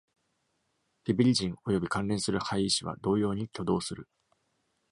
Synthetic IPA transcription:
t̪ebʲiɾʲiʑĩŋo̞jo̞bʲikãnɾẽ̞sɨɾɯ̟haiːɕiβa̰d̪o̞ːjo̞ːɲ̟ikʲo̞d̪o̞ːsɨɾɯ̟

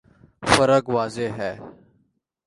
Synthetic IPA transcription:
fəɾəɡʋaːzeːɦɛː

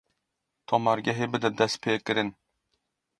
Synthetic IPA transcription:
t̪ʰɒmaɾɡʲaɦebɪd̪ɛd̪ɛspʰekʲɪɾɪn

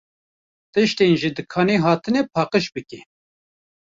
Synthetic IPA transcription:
t̪ɨʃt̪eːnʒid̪ɨkʰɑːneɦɑːt̪ʰɨnɛpʰɑːqəʃbɨke

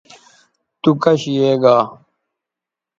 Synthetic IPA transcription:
t̪ukɐɕijeːɡaː

